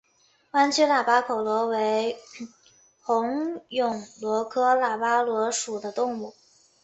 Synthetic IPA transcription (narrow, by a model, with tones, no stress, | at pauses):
wa˥nt͡ɕʰi˥la˨˩pa˥kʰo˨˩ʊlwɔ˧˥we˧˥ɪ | xʊ˧˥ŋjʊ˨˩ŋlwɔ˧˥kʰɤ˥la˨˩pa˥lwɔ˧˥ʂu˨˩d̪ə˦t̪ʊ˥˧ŋu˥˩